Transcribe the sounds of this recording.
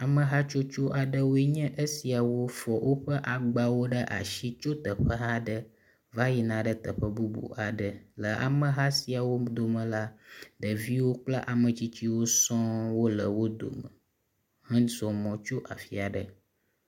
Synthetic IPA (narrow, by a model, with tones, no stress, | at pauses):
a˨mə̃˨ɦa˦t͡ʃo˦t͡ʃo˦ʔa˨ɖə˨wo˦e˦ɲɛ̃˦ʔə˦si˨a˨wo˦fɔ˨wʔo˦ɸə˦ʔa˨ɡ͡ba˨wo˦ɖə˦ʔa̰˨ʃi˦t͡ʃo˦t̪ə˨ɸə˦ɦa˦ɖə˨ | va˦ji˨nã˨ɖə˦t̪ə˨ɸə˦bu˦bṵ˨ʔa˨ɖə˨lə˨ʔa̰˨mə̃˨ɦa˦si˨a˨wo˦d̪o˨mə̃˨la˦ɖə˨vi˦wo˦k͡pla̰˦ʔa˨mə̃˨t͡ɕi˦t͡ɕi˦wo˦sɔ̃˦wo˦lə˨wo˦d̪o̰˨mə̰˨ | hə̃˦zɔ˨mɔ̃˨t͡ʃo˦ʔa̰˨fi˨a˨ɖə̰˨